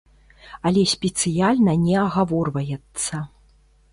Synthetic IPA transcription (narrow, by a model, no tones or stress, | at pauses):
ɐlʲɛsʲpʲɛt̪sɨjalʲnɐnʲɛɐɣavɔrvɐjɛt̪sːɐ